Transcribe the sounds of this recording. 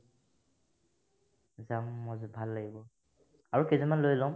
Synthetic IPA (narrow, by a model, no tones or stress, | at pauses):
zamːɔzbʱalːaɡibɔ | aɹukezɔmanlojlɔm